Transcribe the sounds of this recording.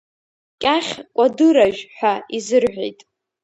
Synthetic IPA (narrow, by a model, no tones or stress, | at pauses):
kʲʼaχʲkʷʼadɨɾaʒᶣħʷᶣaizɨrħʷᶣḛjtʼ